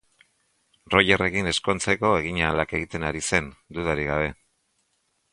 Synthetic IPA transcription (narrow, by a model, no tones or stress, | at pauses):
ro̞jere̞kine̞sko̞nt͡se̞ko̞e̞ɣiɲalake̞ɣit̪e̞naɾise̞nd̪uðaɾiɣ̞aβ̞e̞